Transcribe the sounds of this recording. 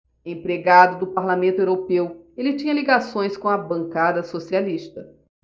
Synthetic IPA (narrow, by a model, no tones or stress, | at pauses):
ẽpɾeɡad̪ʊd̪ʊpaɾlamẽnt̪ʊewɾopewelɪt͡ʃĩɲɐliɡasõj̃skõw̃ɐbɐ̃ŋkad̪ɐsosialiʃt̪ɐ